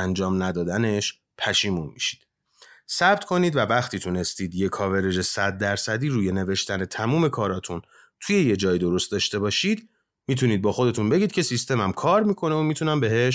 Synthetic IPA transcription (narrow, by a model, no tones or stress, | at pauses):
ænd͡ʒɒːmnæd̪ɒːd̪æne̞ʃ | pʰæʃiːmunmiʃi̥d̪̥ | sæb̥t̪kʰo̞niːd̪vævæxt̪ʰiːt̪ʰune̞st̪iːd̪je̞kʰɒːve̞ɾe̞d͡ʒe̞sæd̪̚ːæɾsæd̪iːɾuːje̞ne̞ve̞ʃt̪ʰæne̞t̪ʰæmuːme̞kʰɒːɾɒːt̪ʰun | t̪ʰuje̞je̞d͡ʒɒːjid̪o̞ɾo̞st̪̚d̪ɒːʃt̪e̞bɒːʃiːd̪ | miːt̪ʰuniːd̪̚bɒːxo̞d̪e̞t̪ʰunbe̞ɟiːd̪̚cʰe̞sist̪e̞mæmkʰɒːɾmiːkʰo̞neomiːt̪ʰunæmbe̞ɦe̞ʃ